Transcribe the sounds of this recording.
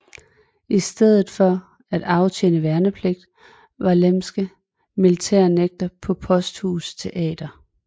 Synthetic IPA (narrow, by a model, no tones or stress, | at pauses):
ʔisd̥eð̞̰ˠð̩ˠfɒ | æd̥ɑ̈ʊt͡ɕʰenəʋæɐnəpʰleɡ̥̚d̥ | ʋɑ̈lemsɡ̥ə | milit͡sʰæ̰ɐ̰neɡ̥̚d̥ɐpʰɒ̽pʰɒ̽sd̥huːst͡sʰe̝ʔɛ̰ːd̥ɐ